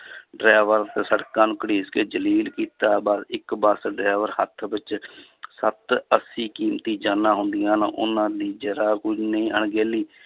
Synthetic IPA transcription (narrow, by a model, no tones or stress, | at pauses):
ɖɾaːʋəɾt̪eːsəɽkaːnʊkəɽiːskeːd͡ʒəliːlkiːt̪aːbaːd̪ɪkbəsɖɾaːʋəɾhət̪ʰbɪt͡ʃsət̪əsiːkiːmt̪iːd͡ʒaːnãːɦʊnd̪ɪjãːnaʔʊ̰nãːd̪iːd͡ʒəɾaːkʊnəĩːəɳɡeːliː